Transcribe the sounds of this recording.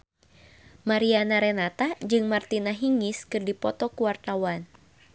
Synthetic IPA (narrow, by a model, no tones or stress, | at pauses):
maɾianaɾɛnat̪ad͡ʒɨŋmart̪inaɦiŋiskɨrdipɔt̪ɔkuwart̪awan